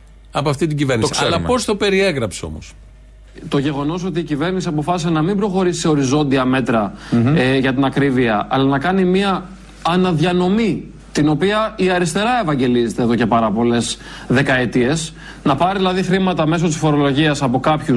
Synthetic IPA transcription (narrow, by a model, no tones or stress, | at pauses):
ɐpoɐft̪it̪iɟiveɾniosiselɐpo̞st̪ope̞ɾieɣɾɐpseo̞̰mos | t̪o̞ʝe̞ɣo̞no̞s̬o̞t̪̬iːcive̞ɾnisiɐpo̞fɐsisenɐmimbɾo̞xo̞ɾisi̥se̞o̞ɾizo̞nd̪iɐme̞t̪ɾɐ | ʝɐt̪̬inɐkɾiviɐɐ̰lɐnɐkɐnimiɐː | nɐðʝɐno̞mi | t̪ino̞piɐiɐɾist̪e̞ɾɐe̞vɐɲɟe̞lizet̪eðo̞ce̞pɐɾɐpo̞le̞s | ðe̞kɐet̪ie̞s | nɐpɐɾiðilɐðixɾimɐt̪ɐme̞s̬o̞t̪isfo̞ɾo̞lo̞ʝiɐsɐpo̞kɐpçu